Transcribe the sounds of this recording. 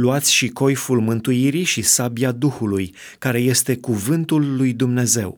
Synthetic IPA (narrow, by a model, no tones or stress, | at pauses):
luat̪sʲʃiko̞jfulmɨnt̪uiɾiʃisabiad̪uxuluj | kaɾe̞je̞st̪e̞kuvɨnt̪ulːujd̪umne̞ze̞̰w